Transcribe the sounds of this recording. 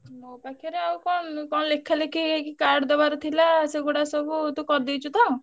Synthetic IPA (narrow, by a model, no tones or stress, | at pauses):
nokakʰiɔɾeawkɔnkɔñlekʰalekikikaɾɖd̪ɔbaɾɔt̪ʰilaseɡoɽasɔbut̪ukɔɾd̪it͡ʃʰut̪aw̃